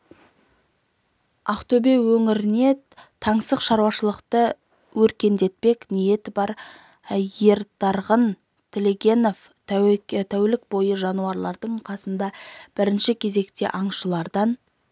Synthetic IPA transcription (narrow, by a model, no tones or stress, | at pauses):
ɑqt̪ɵbe̞wɵŋɪɾɪne̞ | t̪ʰɑɴsəzʃɑɾuwɑʃəlˠəqt̪ə | wɵɾkʲe̞nd̪e̞t̪̚pe̞knije̞t̪ɪbɑɾ | je̞ɾt̪ɑɾʁən | t̪ʲʰelʲe̞ɡʲe̞no̞f | t̪ʰæwlɪk̚bo̞jəʒɑnuɑɾlˠɑɾd̪əɴqʰɑsənd̪ɑb̥ɪɾɪnʃɪkʲʰe̞ze̞kt̪e̞̰ʔɑɴʃəlˠɑɾd̪ɑn